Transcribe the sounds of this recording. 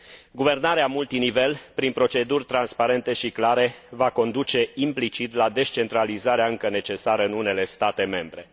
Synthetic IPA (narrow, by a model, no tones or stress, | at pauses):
ɡuve̞rnaɾeamult̪inive̞lpɾinpɾo̞t͡ʃe̞d̪urʲt̪ɾanspaɾe̞nt̪e̞ʃiklaɾe̞vako̞nd̪ut͡ʃe̞implit͡ʃit̪lad̪e̞ʃt͡ʃe̞nt̪ɾalizaɾeaɨŋkəne̞t͡ʃe̞saɾəɨnune̞le̞st̪at̪e̞me̞mbɾe̞